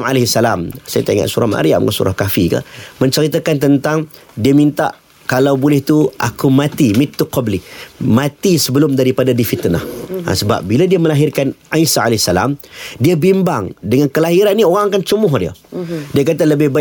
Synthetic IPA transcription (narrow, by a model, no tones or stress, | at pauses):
malaɦsalamsaja̰t̪aiŋa̰ʔsuɾʔahma̰ɾia̰ʔmə̰ansṵɾahkafika̰məɲt͡ʃəɾit̪akant̪̬ənt̪aŋdiamint̪a̰ʔ | kalawbolɛht̪uʔa̰kumãt̪imit̪ːuqɔblimãt̪isəbəlʊmdaɾipadadifit̪na̰ha̰səba̰p̚biladiaməlaɦɪrkanʔaisaa̰lasala̰mdiabimbaŋdəŋankəlaɦiɾanːioɾaŋakant͡ʃəmʊɦdia̰diakat̪aləbɪhba